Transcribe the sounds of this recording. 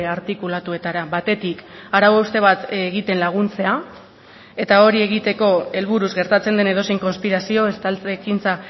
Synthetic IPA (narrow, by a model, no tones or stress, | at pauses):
aɾt̪ikulat̪ue̞t̪aɾaβat̪e̞t̪ikaɾawaust̪e̞β̞at̪ɣit̪e̞nlaɣ̞unt͡se̞a | e̞t̪ao̞ɾie̞ɣ̞it̪e̞ko̞e̞lβuɾuzɣe̞ɾt̪at͡se̞nd̪e̞ne̞ð̞o̞sejŋko̞nspiɾasio̞est̪alt͡sekint͡sa